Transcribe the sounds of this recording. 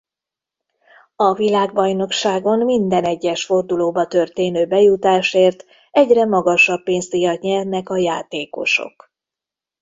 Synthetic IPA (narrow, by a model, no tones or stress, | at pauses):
ɒvilaːɡbɒjno̞kʃaːɡo̞nmind̪ɛnɛɟːɛʃfo̞rd̪uloːbɒt̪ø̞rt̪eːnøːbɛjut̪aːʃeːrt̪ | ɛɟrɛmɒɡɒʃɒpːeːnzt̪ijɒt̪ɲɛrnɛkɒjaːt̪eːko̞̰ʃo̞̰k